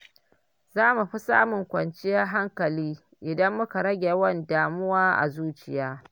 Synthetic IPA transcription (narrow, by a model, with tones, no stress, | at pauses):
zaː˦mu˨ɸi˦saː˦mʊ˨ŋkʷɐ˨nt͡ʃɪ˦jɐ˦rɦa˦ŋkɐ˨liː˦ | ʔɪ˨dɐ˦mːʊ˦ka˨ɾɐ˦ɡʲe˨wɐ˦ndaː˨mʊ˦waː˦ʔa̰˨zuː˦t͡ʃɪ˨jaː˦